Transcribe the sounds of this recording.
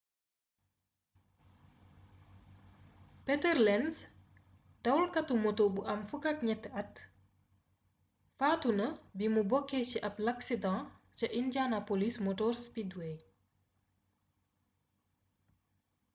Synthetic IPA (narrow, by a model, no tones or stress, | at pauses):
pɛtɛrlɛns | dɐwlkɐtumotobuʔɐmfukatɲɛtːɐt | faːtunɐbimubɔkːet͡ʃiʔɐplɐksidɑ̃ːt͡ʃɐʔinɟanapolismɔtɔrspidwe